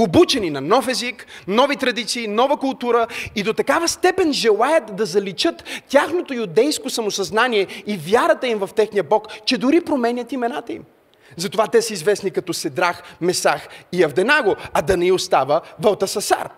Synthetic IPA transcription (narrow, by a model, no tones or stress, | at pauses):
obut͡ʃɛninɐnɔfɛziknɔvit̪ɾɐd̪it̪siːnɔvəkʊlˠt̪uɾəid̪ot̪ɐkavəst̪ɛpɛnʒɛlˠajət̪d̪ɐzɐlit͡ʃət̪ːʲjaxnot̪ojʊd̪ɛjskosɐmosɐznaniɛivjaɾət̪əimvɐft̪ɛxnijəbɔkt͡ʃɛd̪ʊɾipɾomɛnʲət̪imɛnat̪əḭm | zɐt̪ovat̪ɛsəizvɛsnikɐt̪ɔsɛd̪ɾaxmɛsaxiɐvd̪ɛnaɡoɐd̪ɐnɛiʊst̪avəvɐlˠt̪ɐsɐsa̰ɾ